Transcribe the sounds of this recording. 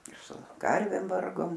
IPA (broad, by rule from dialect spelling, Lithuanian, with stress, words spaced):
ɪr sʊ ˈkɐrʲʋʲeːm ˈʋɐrɡoːm